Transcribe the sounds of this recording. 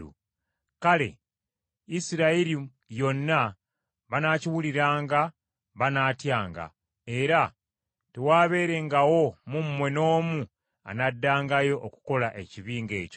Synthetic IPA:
ṵ | kale̞̰ | isiɾaiɾi | jo̞nːa | βanaːciwuliɾaːŋɡa | βanaːtjaːŋɡa̰ | e̞ɾa | tewaːβe̞ːɾe̞ŋɡawo̞mumːwe̞no̞ːmu | a̰nadːaːŋɡajo̞ʔoku̥ko̞laʔe̞ciβiːŋɡe̞̰ːco

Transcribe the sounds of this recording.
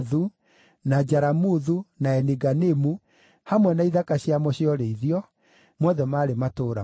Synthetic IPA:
ðu | nad͡ʑaɾamuðunaɛniɡanemu | hamwɛnaiðakaɕjamɔɕiɔɾeiðiɔ | mwɔðɛmaːɾematoːɾa

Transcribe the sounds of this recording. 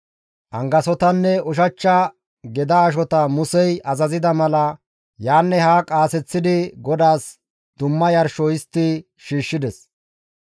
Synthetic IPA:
ʔɐŋɡɐsɔt̪ɐnːɛʊʃ̬ɐt͡ʃːɐ | ɡɛd̪ɐːʃ̬ɔt̪ɐmʊsɛjɐzɐzɪd̪ɐmɐlɐ | jaːnːɛhaːkʼaːsɛt͡sːɪd̪ɪɡɔd̪aːs | d̪̥ʊmːɐjɐɾʃɔjɪst̪ːɪ | ʃiːʃːɪd̪ɛs

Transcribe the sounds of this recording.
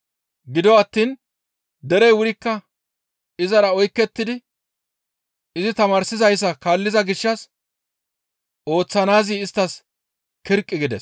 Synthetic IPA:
ɡɪd̪ɔwɐt̪ːiːn | d̪ɛɾɛjwʊɾɪkːɐ | ɪzɐɾɐɔjkːɛt̪ːɪd̪ɪ | ɪzɪt̪ɐmaːɾsɪzɐjs̬ːɐkaːlːɪzɐɡɪʃːɐs | o̞ːt͡sːɐnaːziːɪst̪ːɐs | kɪɾkʼːɪɡɪd̪ɛ̰s

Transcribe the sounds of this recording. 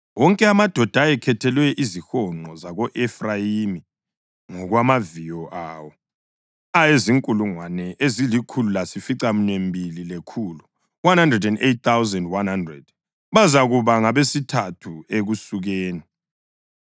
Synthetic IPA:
wɔŋkʼɛamad̥ʱɔd̥ʱaɛkʰɛtʰɛlwɛʔizixɔŋ͡ǃɔzaɣɔʔɛfrajimi | ŋɔɣwamavijɔʔaːwɔ | ajeziŋkʼuluŋwanɛʔezilikʰululasifiǀam̩ɲwembʱililekʰulu | wanhandrɛdɛndet̚θawzɛndwanhandrɛ̰d̥̚ | βazaɣuβaŋaβesitʰatʰueɣusuɣeːni

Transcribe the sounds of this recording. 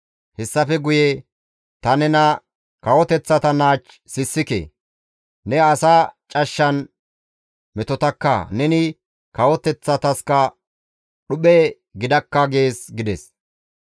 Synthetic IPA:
hɛsːɐfɛɡʊje | t̪ɐnɛnɐ | kɐwɔt̪ɛt͡sːɐt̪ɐnaːt͡ʃ | sɪsːɪkḛ | nɛɐsat͡ʃʼɐʃːɐn | mɛt̪ɔt̪ɐkːɐ̰nɛnɪ | kɐwɔt̪ɛt͡sːɐt̪ɐskɐ | ɗʊɓɛ | ɡɪd̪ɐkːɐɡe̞ːsɡɪd̪ɛs

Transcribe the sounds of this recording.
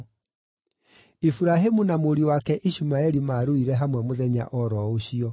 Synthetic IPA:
ifuɾaɦemunamoɾiwakɛʔiɕumaɛɾimaːɾoiɾɛɦamwɛmoðɛɲa̰ʔɔɾɔoɕiɔ

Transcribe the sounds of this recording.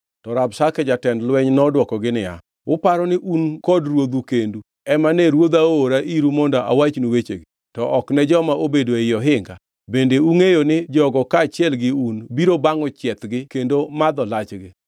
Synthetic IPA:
tɔɾabsakɛd͡ʒatɛndlwɛɲnɔdwɔkɔɡɪnɪja̰ | ʊpaɾɔnɪʔunkɔdɾwod̪ukendu | ɛmanɛɾwod̪aoɾaʔiɾumɔndɔʔa̰wat͡ʃnuwet͡ʃḛɡɪ | tɔʔɔknɛd͡ʒɔmaobedoeɪjɔɦɪŋɡa̰ | bendeuŋejonɪd͡ʒɔɡɔkaːt͡ʃɪɛlɡɪunbiɾobaŋɔt͡ʃjɛt̪ɡɪkendomad̪ɔlat͡ʃɡɪ

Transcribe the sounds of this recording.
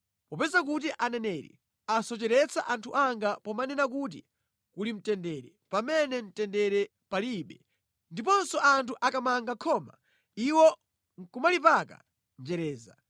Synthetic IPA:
pɔpɛzak̬ut̬iʔanɛnɛɾḭ | asɔt͡ʃɛɾɛt͡saʔantʰuʔaŋɡapɔmanɛnak̬ut̬ḭ | kulim̩tɛndɛɾɛpamɛnɛm̩tɛndɛɾɛ | paliɓɛ | ndipɔnsɔʔantʰuʔakamaŋɡakʰɔma̰ | iwɔ | ŋ̩kumalipaka̰ | nd͡ʒɛɾɛːza̰

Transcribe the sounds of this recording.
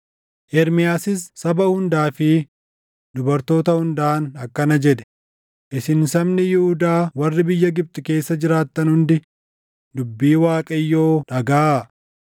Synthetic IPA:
ʔɛɾmɪjaːsɪsːɐbɐhʊnd̪aːfɪ | d̪ʊbɐɾt̪o̞ːt̪ɐhʊnd̪aːnɐkːɐnɐd͡ʒɛᶑ̪ɛ̥ | ʔɪsɪnsɐmnɪjɪhʊd̪aːwɐrːɪbɪjːɐɡɪb̚t̪ʼɪke̞ːsːɐd͡ʒɪɾaːt̪ːɐnhʊnd̪ɪ | d̪ʊbːiːwaːkʼɐjːo̞ːᶑɐɡaː

